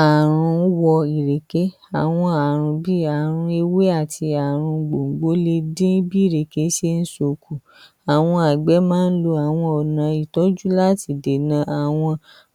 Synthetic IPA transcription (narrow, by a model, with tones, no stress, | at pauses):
a˨ɾ̃ũ˧˦wɔ˧i˨ɾe˨ke˨˦ | a˨w̃ɔ̃˧a˨ɾ̃ũ˧bi˦a˨ɾ̃ũ˧e˧we˦a˦˨ti˧a˨ɾ̃ũ˧ɡ͡bo˨ŋ̩˨ɡ͡bo˨˦le˧dĩ˦bi˦i˦˨ɾe˨ke˨˦ʃe˧˦n̩˦so˨ku˨ | a˨w̃ɔ̃˧a˨ɡ͡bɛ˨˦mãː˦n̩˦lo˧a˨w̃ɔ̃˧ɔ˨nã˨i˨tɔ˨˦d͡ʒu˦la˦˨ti˨de˨nã˧˦a˨w̃ɔ̃˧